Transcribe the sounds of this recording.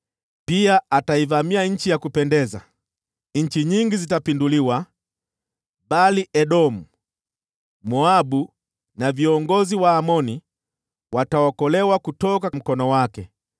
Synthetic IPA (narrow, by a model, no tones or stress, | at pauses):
piaataivamiaɲ̩t͡ʃijakupɛndɛza | ɲ̩t͡ʃiɲiŋɡizitapinduliwa | baliʔɛɗɔmu | mɔabu | naviɔŋɡɔziwaːmɔni | watawɔkɔlɛwakutɔkam̩kɔnɔwakɛ